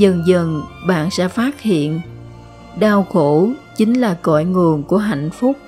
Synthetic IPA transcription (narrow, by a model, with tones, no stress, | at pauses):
zə˨˩nzə˨˩nɓa̰ː˧˨nsɛ̰˧˥faː˦˥t̚hḭ˧˨ən | ɗaː˧wxo˧˦t͡ɕi˨˦ŋ̟laː˨˩kɔ̰˧˨jŋɨ˨˩əŋku˧˩əɦa̰˧˨jŋ̟fʊ˦˥k͡p̚